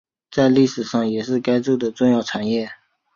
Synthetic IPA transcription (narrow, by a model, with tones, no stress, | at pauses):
t͡sa˥˧ɪli˥˩ʂɻ̩˨˩ʂɑ˥˩ŋjɛ˨˩ʂɻ̩˥˩ka˥ɪt͡su˥˩d̪ə˩ʈ͡ʂʊ˥˧ŋjɑ˥˩ʊʈ͡ʂʰa˨˩njɛ˥˩